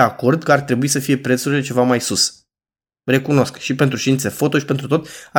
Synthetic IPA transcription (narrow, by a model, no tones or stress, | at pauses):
ako̞rd̪̚kəart̪ɾe̞buisəfije̞pɾe̞t̪suɾile̞t͡ʃe̞vamajsus | re̞kuno̞skʃipe̞nt̪ɾuʃt̪int̪se̞fo̞t̪o̞ʃi̥pe̞nt̪ɾut̪o̞t̪a